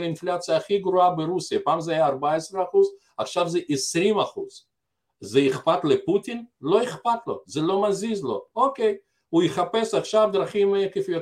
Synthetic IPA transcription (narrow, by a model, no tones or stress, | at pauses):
inflat͡sijaːχiɡɾuabeɾusijapaːmzeajaːɾbaesɾeaχuz | aχʃavzeʔesɾimaχuz̥ | zeiχpat̪leput̪inlo̞eχpat̪lo̞̰zelo̞mazizlo̞̰okej | ujeχape̞saχʃavd̪ɾaχimekefjo